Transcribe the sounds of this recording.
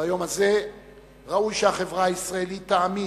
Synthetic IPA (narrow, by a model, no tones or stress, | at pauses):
ajo̞maze̞ | ʁaujʃeaχe̞vʁaːisʁaelit̪ːaːmi